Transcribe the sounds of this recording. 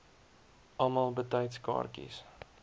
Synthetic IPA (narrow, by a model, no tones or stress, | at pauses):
ʔɑlˠmɑlˠbətɛjtskɑ̰ːrkḭs